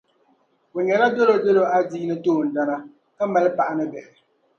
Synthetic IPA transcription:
wu˨ɲɛ˨ɾa˦do˦lo˦de˦lo˦a˦diː˦nɨ˦toː˦˨n̩˨da˦na˦ | a˦mɛ˨lpa˨ʔa˦nɨ˦bɛ˨ʔɛ˨

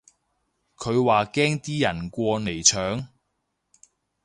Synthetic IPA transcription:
kʰɵ˨˧ɥwaː˨kɛː˥ŋt̪iː˥jɐ˨˩nkʷɔː˧ne˨˩jt͡ʃʰœː˨˥ŋ

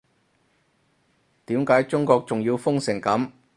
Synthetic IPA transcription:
t̪iː˨˥mkaː˨˥jt͡sʊ˥ŋkɔː˧k̚t͡sʊ˨ŋjiː˧wfʊ˥ŋsɪ˨˩ŋkɐ˨˥m

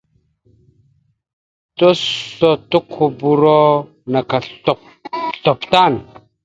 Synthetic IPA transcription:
to˦o˨tu˦kʰu˨bu˨ɾo˦ | na˨ka˨ɬɔ˨ | ɬɔ˨pta˦˨n

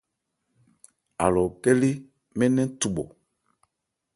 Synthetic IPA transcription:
a̰˨lɔ˨kɛ˦li˦ | mɛ̃˦nɛ̃˦tu˨ɓɔ˨

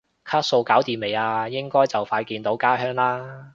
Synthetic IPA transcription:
kʰaː˥t̚so˧wkaː˨˥wt̪iː˨nme˨˩jaː˧jɪ˥ŋkɔː˥jt͡sɐ˨˩wfaː˧jkiː˧nt̪o˨˥wkaː˥ɦœː˥ŋlaː˥

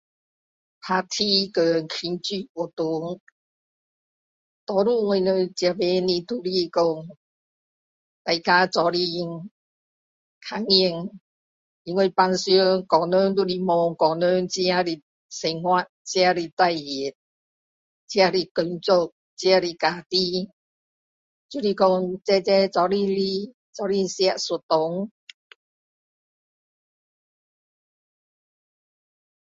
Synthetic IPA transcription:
pʰa˧t̪ʰi˦kə˨ŋkʰi˧nt͡ɕy˥˧˩ɔ˨˩t̪u˨˧˦ŋ | t̪ɔ˨˦ɾu˧ŋwe˧˨nə˧t͡ɕja˨˧be˧nĩ˧t̪u˧li˧kɔ˧ŋ | t̪a˨jka˧t͡sɔ˨˧˦li˧ŋ | kʰa˨˧˨ŋi˧ŋ | i˧ŋwe˧pa˧nsjo˦kɔ˨˩nø˦nd̪u˦˧ɾi˧mɔ˧ŋkɔ˨nø˦nt͡ɕja˦˧ɾi˧ | se˧ŋhwa˧˩t̚t͡ɕi˧a˧li˧t̪a˥˧˨ji˨˩t̚ | t͡ɕi˦˧a˧li˧ko˧˩nt͡so˥˧˨k̚ | t͡ɕi˧a˦˧li˧ka˨˧t̪i˦ | t͡ɕu˧˦li˧kɔ˧ŋt͡sɛ˧t͡sɛ˦t͡sɔ˨˧˦li˧li˧ | t͡sɔ˨˦li˧sja˧˩ʔsu˨˩t̚t̪o˨˦ŋ

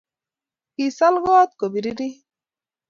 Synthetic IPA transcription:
ki˨sa˦lɡɔː˦t̪̚ko˨bi˨ɾi˦ɾi˦

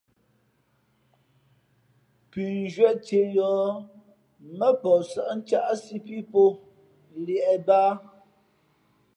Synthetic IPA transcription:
pi˨n˦d͡ʒɥɛ˦˨ʔte˨jɔː˨˦ | mə˦pɔ˨sə˨ʔn̩˦t͡ʃa˦ʔsi˦pi˦po˦˨ | ljɛ˨ʔɛ˨baː˦

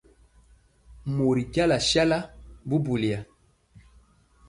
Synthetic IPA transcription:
mo˨ɾi˨ka˦la˨ʃja˦la˦bu˦bu˨li˨a˨

